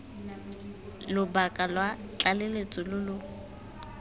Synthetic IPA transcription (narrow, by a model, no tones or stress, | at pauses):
lʊbakʼalwat͡ɬʼalelet͡sʼɔlʊlʊ